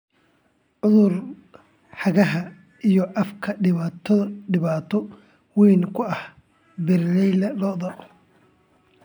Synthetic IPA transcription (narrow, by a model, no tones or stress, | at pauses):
ʕʊðʊr | ħɑɣɐɦɐ | ijɔʔɐfkʰɐɖɪβaːt̪ʰɔðɐɖɪβaːt̪ʰɔ | wiːnkʰʊɐh | bɪrlɛjlɐlɔðɐ